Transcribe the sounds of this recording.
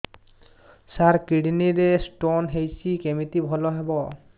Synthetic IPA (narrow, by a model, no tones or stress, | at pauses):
saɹkiɽiniɾesʈonɦejsikemit̪ibʱɔlɔɦɛbɔ